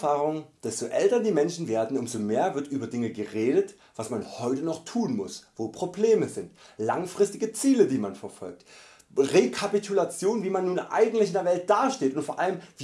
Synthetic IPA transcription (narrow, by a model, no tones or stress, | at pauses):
faːʁʊŋd̥ɛstoʔɛltɐdiːmɛnʃn̩veːɐdn̩ʊmzomeːɐvɪɐtʔyːbɐdɪŋəɡəʁeːdət | v̥asmanhɔʏtənɔχtʰuːnmʊsv̥oːpʁ̥obleːməzɪntlaŋfʁ̥ɪstɪɡət͡siːlədiːmanfɛɐfɔ̰lk̚t | ʁekʰapitʰulat͡sjoːnviːmanːuːnʔa̰ɪɡŋ̩tlɪçɪndeɐvɛlt̚d̥aːɐʃteːtʊntfoːɐʔaləmvː